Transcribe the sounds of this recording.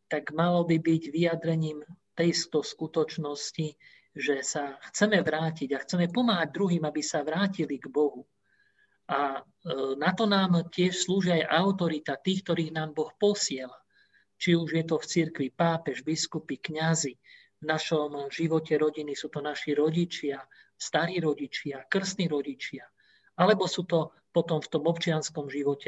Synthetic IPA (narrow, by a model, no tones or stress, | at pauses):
t̪aɡmalɔbibiɟʋijad̪ɾɛɲiːmt̪ɛjst̪ɔskut̪ɔt͡ʃnɔsci | ʒɛsaxt͡sɛmɛʋɾaːciɟaxt͡sɛmɛpɔmaːɦaɟ̚d̪ɾuɦiːmabisaʋɾaːciliɡbɔɦu | ʔa | nat̪ɔnaːmcɪɛʃsluːʒiajʔaʊt̪ɔɾit̪at̪iːxk̚t̪ɔɾiːɣnaːmbɔxpɔsɪɛla | t͡ʃiuʒjɛt̪ɔft͡siɾkʋipaːpɛʒbiskupikɲazi | vnaʃɔmʒiʋɔcɛɾɔɟinisuːt̪ɔnaʃiɾɔɟit͡ʃɪa | st̪aɾiːɾɔɟit͡ʃɪakr̩sniːɾɔɟit͡ʃɪa | alɛbɔsuːt̪ɔ | pɔt̪ɔmft̪ɔmɔpt͡ʃɪanskɔmʒiʋɔcɛ